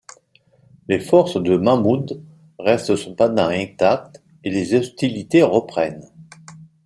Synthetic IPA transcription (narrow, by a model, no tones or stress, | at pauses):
lefɔʁsd̪əmamud̪ | ʁɛst̪əsɔ̃panãɛɡt̪ak̚t̪ | elezɔst̪ilit̪eʁəpχɛn